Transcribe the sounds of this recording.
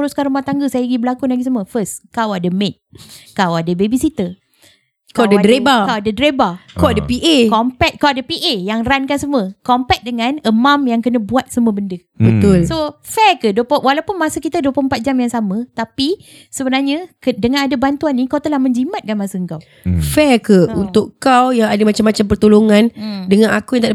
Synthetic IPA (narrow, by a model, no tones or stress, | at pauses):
ɾuskanɾumaht̪aŋɡəsaiɡibəlakunaɡis̬əməfəskawadəmet̪̚kawadəbebisit̪ə | kawadadɾebakawadədɾebakawadəpiʔekɔmpɛt̪̚kawadəpiʔejaŋrankansəməkɔmpɛk̚dəŋãnəmãmjaŋkənəbuat̪̚səm̃əbəndə | bət̪ʊlsofɛrkəduəpwalawpʊnmasəkit̪əduəpompat̪̚d͡ʒamjaŋsamə̃t̪api | səbənaɲəkədəŋãnadabant̪uanːĩkawt̪əlahmə̃ɲd͡ʒimat̪̚kanmasəəŋkaw | fɛkəunt̪ʊkkawjaŋadəmat͡ʃamːat͡ʃamp̬ərt̪oloŋãndəŋãnakujaŋt̪a